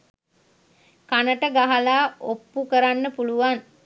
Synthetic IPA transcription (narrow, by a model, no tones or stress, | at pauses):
kanəʈəɡaɦalaːopːukəɾanːəpuluʋan